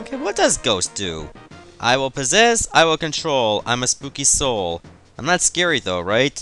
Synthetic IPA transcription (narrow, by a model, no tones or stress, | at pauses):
okʰeɪwʌt̚d̥ʌzɡoʊsd̥ʉ̰ | ʔa̰ɪwɪlˠpɨzɛsa̰ɪwɪlˠkɨ̃ntʰɹ̥oʊlˠã̰ɪ̃məspukisoʊlˠ | ãɪ̃mnətskɛɹiðoʊɹaɪt̚